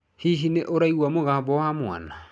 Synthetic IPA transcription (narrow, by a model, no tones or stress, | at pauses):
hiɦineʔoɾaiwamoɣabɔwamoa̰na